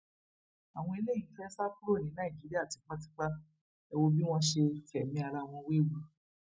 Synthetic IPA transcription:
a˨w̃ɔ̃˧e˧le˦˨jĩ˨˦fɛ˦sa˦ku˦ɾo˦˨nĩ˨˦nã˦i˨d͡ʒi˨˦ɾi˦a˦˨ti˨˧k͡pa˦ti˦k͡pa˦ | ɛ˧wo˦bi˦w̃ɔ̃˦ʃe˧fɛ˨mĩ˧˦a˧ɾa˧w̃ɔ̃˧we˦˨wu˧

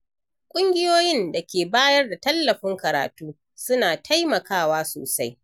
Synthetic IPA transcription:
kʷʼʊ˦ŋɡʲɪ˦joː˦jɪ˦nda˨kʲeː˨baː˦jɐ˦rda˨tɐ˦lːɐ˨ɸɪ˦ŋkɐ˨ɾa̰ː˨tuː˦ | sʊ˦naː˨tʰa˦jmɐ˨kaː˦waː˦so̰ː˨sa˦j

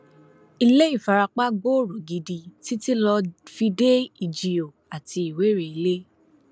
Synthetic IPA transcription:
i˧le˦i˦˨fa˨ɾa˧k͡pa˦ɡ͡bo˦˨ɾo˨ɡi˧di˧ti˦ti˦lɔ˧fi˧de˦i˨d͡ʒi˨o˨a˨ti˧i˨we˨˦ɾe˨i˧le˦

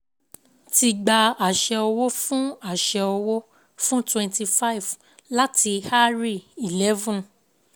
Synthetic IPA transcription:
ti˧ɡ͡ba˧a˨ʃɛ˧ɔ˧wo˦fũ˦a˦˨ʃɛ˧ɔ˧wo˦ | fũ˦twɛ̃˧nti˧fa˦i˨v | la˦ti˧ha˦ɾi˦˨i˨lɛ˨˦vũ˦˨

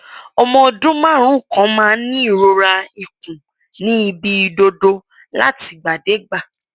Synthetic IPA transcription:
ɔ˧mɔ̃˧dũ˦mãː˦ɾ̃ũ˦˨kɔ̃˨˦mãː˦nĩ˦i˦˨ɾo˧ɾa˧i˨kũ˨ | nĩ˨˦i˧bi˧i˧do˧do˧ | la̰˦ti˧ɡ͡ba˨de˨˦ɡ͡ba˦˨

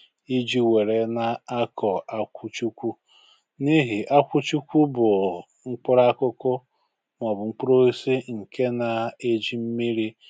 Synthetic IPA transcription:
i˦d͡ʒi˦we˨ɾe˨na˨a˦kɔ˨a˦kʷʊ˦t͡ʃu˦kʷu˦ | ni˦ɦi˨ʔa˦kʷu˦t͡ʃu˦kʷu˦bʊ˨ | ŋ͡m̩˦k͡pʊ˦ɾa˦kʊ˦kʊ˦ | ŋʷɔ˨bʊ˨ŋ͡m̩˦k͡pu˦ɾo˦i˦si˦ŋ̩˨ke˦na˨e˦d͡ʒi˦m̩˦mi˦ɾi˦

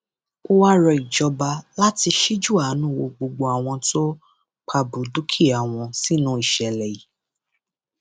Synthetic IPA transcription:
o˦wa˦ɾɔ˧i˨d͡ʒɔ˧ba˧la˦ti˧ʃi˦d͡ʒu˦˨a˨˦nũ˦˨wo˧ɡ͡bo˧ɡ͡bo˧a˨w̃ɔ̃˧to˦ | k͡pʰa˧bu˨du˦kʰi˦˨a˨w̃ɔ̃˧si˦nũ˦i˦˨ʃɛ˨lɛ˨ji˨˦

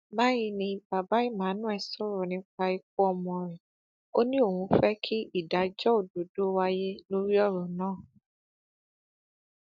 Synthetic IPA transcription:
mã˦ji˧nĩ˧ba˨ba˦i˦˨mãː˨˦nũ˦ɛ˨sɔ˦ɾɔ˨nĩ˧˦k͡pa˧i˧k̚u˦ɔ˧mɔ̃˧ɾɛ˨ | o˦nĩ˦o˦˨hũ˧˦fɛ˦kʰi˦i˦˨da˨d͡ʒɔ˦o˨do˨do˦wa˦je˦no˦ɾi˦ɔ˦˨ɾɔ̃˨nãː˦˨

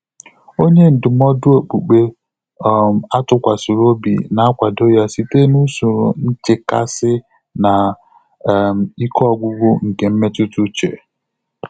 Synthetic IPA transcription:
o˦ɲe˦n̩˨dʊ˨mɔ˦dʊ˦o˨k͡pu˨k͡pe˦˨ | m˨a˦tʊ˦kʷa˨su˨ɾo˦bḭ˨na˨a˦kʷa˨do˦ja˦si˦te˦nu˦sʊ˨ɾʊ̰˨n̩˦t͡ʃɪ˨ka̰˦sɪ˦ | na˨ | m˨i˦kʰɔ˦ɔ˨ɡʷu˦ɡ͡bʊ˦ŋ̩˨ke˨m̩˦me˦tu˦tu˦t͡ʃḛ˨

